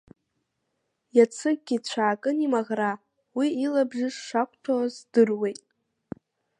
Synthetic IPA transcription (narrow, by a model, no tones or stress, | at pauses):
jat͡sʰɨɡ̚ɡʲit͡ɕʷʰaːkʼɨnimaʁra | wiilabʐɪʂʂakʷʼtʰozdɨrwejtʼ